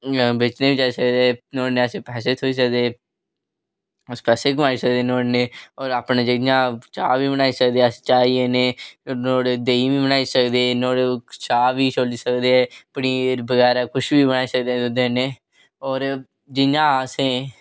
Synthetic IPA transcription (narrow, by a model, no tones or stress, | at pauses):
bɪt͡ʃnẽːbiːt͡ʃaːisəkd̪eɛnoːneəseːpɛːseːt̪ʰoːiːs̬ək̚d̪eː | spɛːseːkəmaːiːsək̚d̪eːnoːɽneːɔːɾaːpneːd͡ʒɪãːt͡ʃaːbiːbənaːiːsək̚d̪eːəst͡ʃaːieneːnoːɽed̪eːibiːbənaːiːsəkd̪eːnoːɽet͡ʃaːʋiːt͡ʃoːliːsəkd̪eːɛːpniːɾbəɡɛːɾaːkʊʃbiːbənaːiːsəkd̪eːd̪ʊd̪ẽːneː | ɔːɾ | d͡ʒɪnãːəsẽː